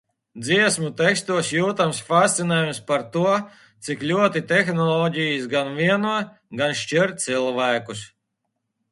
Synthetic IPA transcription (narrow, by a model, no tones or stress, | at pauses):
d̪ziɛsmut̪ɛkst̪uɔsjuːt̪amsfast̪sinɛːjumspaɾt̪uɔ | t̪siklʲuɔt̪it̪ɛxnɔlˠɔɟʲijis̬ɡanvʲiɛnuɔ | ɡanʃt͡ʃiɾt̪t̪silˠvæːkus